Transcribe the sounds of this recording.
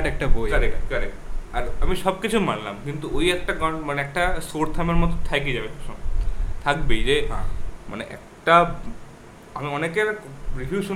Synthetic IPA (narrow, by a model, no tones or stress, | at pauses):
ʈɛk̚ʈabʱokəɾekkəɾekʈaɾamiʃɔbkit͡ɕʰumanla̰mkint̪uoiɛk̚ʈaɡɔmaneɛk̚ʈasoɾt̪ʰameɾmɔt̪ɔt̪ʰajkid͡ʑabeosʰɔmt̪ʰakbejd͡ʑeãmʔa̰neʔɛ̰k̚ʈa | amiɔnekeɾɾibʱuʃu